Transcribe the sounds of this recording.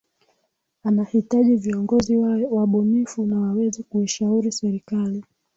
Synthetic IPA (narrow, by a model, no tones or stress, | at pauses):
anahitaʄiviɔŋɡɔziwaɓɔnifunawawɛzɛkuiʃauɾisɛɾikali